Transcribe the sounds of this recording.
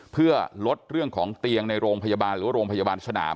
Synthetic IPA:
pʰɯ˥˩əlo˦˥t̪̚ɾɯ˥˩əŋkʰɔː˩˦ŋt̪i˧əŋna˧jɾoː˧ŋpʰa˧jaː˧baː˧nlɾɯː˩˦a˥ɾoː˧ŋpʰa˧ja˧baː˧nsa˧na̰ː˩˦m

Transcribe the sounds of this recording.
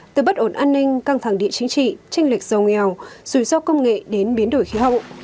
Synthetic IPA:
t̪ɨ˨˧˩ɓə˦˥t̚ʔo˧˩nʔaː˧nːï˧ŋ̟kaː˧ŋt̪ʰa˧˩ŋɗḭ˧˨ət͡ɕï˨˦ŋt͡ɕḭ˧˨t͡ɕɛ˧jŋ̟li˨˩k̚z̥ə˨˩wŋɛ˨˩wz̥u˧˩sɔ˧kə˧wŋ͡mŋḛ˧˨ɗe˨˦nɓi˨˦ənɗo˧˩jxi˨˦ɦə̰˧˨wʔ

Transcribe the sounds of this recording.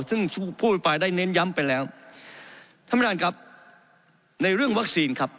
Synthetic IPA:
sɯ˥˩ŋ˥˩pʰuː˥˩t̪̚pa˧jdaː˥˩jne˦˥nja˦˥mpa˧jlɛː˦˥w | t̪ʰa˧˥ma˧daː˧nka˦˥p̚ | na˧jɾɯ˥˩əŋwa˦˥k̚siː˧nkʰa˦˥p̚

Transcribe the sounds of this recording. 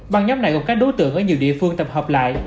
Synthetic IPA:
ɓa˨˩ŋɲa˨˦wŋ͡mna˨˧˩jkka˦˥k̚ɗo˨˦t̪ɨ̰˧˨əŋʔəː˧˩ɲi˨˩əwɗḭ˧˨əfɨ˧əŋt̪ə˨˩p̚həː˨˩p̚la̰ː˧˨jʔ

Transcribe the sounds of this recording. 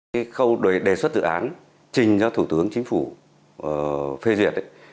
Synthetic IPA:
aː˨˦xə˧wɗo˧˨˩jɗe˧˩swə˦˥t̚zɨ̰˧˨ʔaː˨˦n | t͡ɕï˨˩ŋ̟zɔ˧t̪ʰu˧˩t̪ɨ˨˦əŋt͡ɕï˨˦ŋ̟fu˧˩˨ | fe˧zi˨˩ət̚

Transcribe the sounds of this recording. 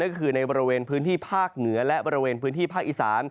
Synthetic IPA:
na˥˩nkɔ˥˩kʰɯː˧na˧jbɔː˧ɾi˧weː˧npʰɯː˦˥nt̪ʰiː˥˩pʰaː˥˩k̚nɯ˩˦ɐlɛ˦˥ʔbɔː˧ɾi˧weː˧npʰɯː˦˥nt̪ʰiː˥˩pʰaː˥˩k̚ʔi˧˨˩saː˩˦n

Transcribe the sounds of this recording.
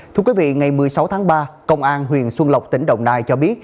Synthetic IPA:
t̪ʰɨ˧əkwi˨˦vḭ˧˨ŋa˨˩jmɨ˨˩əjsa˨˦wt̪ʰaː˨˦ŋɓaː˧kə˧wŋ͡mʔaː˧nɦwḭ˨˩ənswə˧nlə˨˩wk͡p̚t̪ï˨˦ŋ̟ɗə̰˧˨wŋ͡mnaː˧jt͡ɕɔ˧ɓi˦˥ət̚

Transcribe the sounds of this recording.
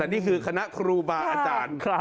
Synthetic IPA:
t̪ɛː˨˩niː˥˩kʰɯː˧kʰa˧na˦˥ʔkʰɾuː˧baː˧ʔaː˧t͡ɕaː˨˧˩n˧

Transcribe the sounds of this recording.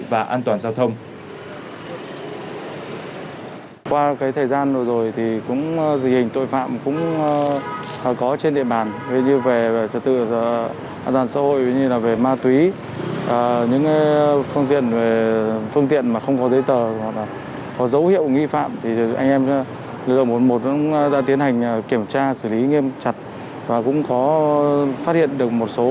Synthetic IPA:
vaː˨˩ʔaː˧nt̪waː˨˩nzaː˧wt̪ʰə˧wŋ͡m | kwaː˧kaː˨˦jt̪ʰəː˨˩jzaː˧n˨˩zo˨˩jt̪ʰi˨˩kʊ̰˧˥ŋ͡mt̪ʰhï˨˩ŋ̟t̪o̰˧˨jfa̰ː˧˨mkʊ̰˧˥ŋ͡m | kɔ˨˦t͡ɕe˧nɗḭ˧˨əɓaː˨˩nhi˧˨ɲɨ˧ve˨˩˨t͡ɕə˨˩t̚t̪ɨ̰˧˨˩ | ʔaː˧nt̪waː˨˩nsa̰˧˥ɦo̰˧˨jɲɨ˧laː˨˩ve˨˩maː˧t̪wi˨˦ | ʔəː˨˩ɲɨ̰˧˥ŋ˨˦fɨ˧əŋt̪ḭ˧˨ənve˨˩fɨ˧əŋt̪ḭ˧˨ənmaː˨˩xə˧wŋ͡mkɔ˨˦zə˨˦jt̪əː˨˩wa˨˩laː˨˩ | kɔ˨˦zə˨˦whḭ˧˨əwŋi˧fa̰ː˧˨mt̪ʰi˨˩ʔa̰˧jŋ̟ʔɛ˧m | lɨ˧˩k̚lɨ̰˧˨mo˨˩nmo˨˩t̚kʊ̰˧˥˧ɗa̰ː˧˥i˨˦ənɦa˨˩jŋ̟ə˨˩ki˧˩əmt͡ɕaː˧sɨ˧˩li˨˦ŋi˧əmt͡ɕa˨˩t̚ | vaː˨˩kʊ̰˧˥ŋ͡mkɔ˨˦ | faː˦˥t̚hḭ˧˨ənɗɨ˨˩ək̚mo˨˩t̚so˨˦

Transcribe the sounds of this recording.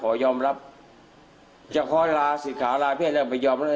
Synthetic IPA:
kʰɔː˨˩˦jɔː˧mɾa˦˥p̚ | t͡ɕa˧˩kʰɔː˧˥˨laː˧si˨˩˦nkʰaː˩˦laː˧pʰi˥˩t̪̚lɛː˧˩pa˧˨jɔː˧mɾa˦˥

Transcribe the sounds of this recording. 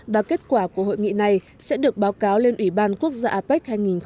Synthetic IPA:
vaː˨˩ke˦˥t̚kwaː˧˩ku˧˩əɦo̰˧˨jŋḭ˧˨na˨˩j | sɛ̰˧˥ɗɨ˨˩ək̚ɓaː˨˦wkaː˨˦wle˧nʔwi˧˩ɓaː˧nku˦˥ək̚zaː˧ʔaː˧pa˦˥k̚haː˧jŋi˨˩nx

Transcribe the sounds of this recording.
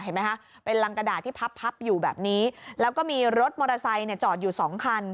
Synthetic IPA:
ha˥˩jma˦˥jkʰa˦˥ | pe˧nla˧ŋka˧daː˨˩t̪ʰːiː˥˩pʰa˦˥pʰːa˦˥p̚juː˨˩bɛ̰ː˨˩p̚niː˦˥lɛː˦˥wkɔː˥˩miː˧ɾo˦˥t̪̚mɔː˧ɾa˧sa˧jni˥˩ɐt͡ɕɔː˨˩t̪̚juː˨˩sɔː˩˦ŋkʰa˧n

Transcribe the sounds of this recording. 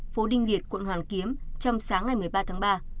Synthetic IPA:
fo˨˦ɗï˧ŋ̟li˨˩ət̚kwə̰˧˨nɦwaː˨˩nki˨˦əmt͡ɕɔ˧wŋ͡msaː˨˦ŋːa˨˩jmɨ˨˩əjɓaː˧t̪ʰaː˨˦ŋɓaː˧

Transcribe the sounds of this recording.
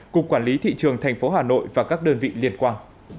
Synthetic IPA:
kʊ˨˩k͡p̚kwaː˧˩nli˨˦t̪ʰḭ˧˨t͡ɕɨ˨˩əŋt̪ʰa˨˩jŋ̟fo˨˦ɦaː˨˩no̰˧˨jvaː˨˩kaː˦˥k̚ɗəː˧nvḭ˧˨li˧˩ənkwaː˧n

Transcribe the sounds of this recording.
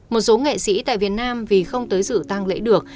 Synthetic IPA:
mo˨˩t̚so˨˦ŋḛ˧˨sḭ˧˥t̪a̰ː˧˨jvi˨˩ət̚naː˧mvi˨˩xə˧wŋ͡mt̪əː˨˦jzɨ̰˧˨t̪a˧ŋlḛ˧˥ɗɨ˨˩ək̚

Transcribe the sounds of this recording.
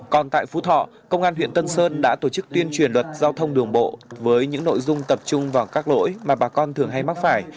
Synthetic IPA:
kɔ˨˩nt̪a̰ː˧˨jfu˨˦t̪ʰɔ̰˧˨ | kə˧wŋ͡mʔaː˧nwḭ˧ənt̪ə˧nsəː˧nɗa̰ː˧˥t̪o˧˩t͡ɕɨ˦˥k̚t̪wi˧ənt͡ɕwi˨˩ənlwə˨˩t̚zaː˧wt̪ʰə˧wŋ͡mɗɨ˨˩əŋɓo̰˧˨vəː˨˦jɲɨ̰˧˥ŋno̰˧˨jzʊ˧ŋ͡mt̪ə˨˩p̚t͡ɕʊ˧ŋ͡mvaː˨˩wkaː˦˥k̚lo̰˧˥jmaː˨˩ɓaː˨˩kɔ˧nt̪ʰɨ˨˩əŋɦa˧jma˦˥t̚faː˧˩j

